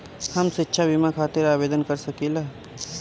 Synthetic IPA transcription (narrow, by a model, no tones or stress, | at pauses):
həmsɪtːʃʰabimakʰaːt̪eɾaːbeːd̪ənkəɾsəkila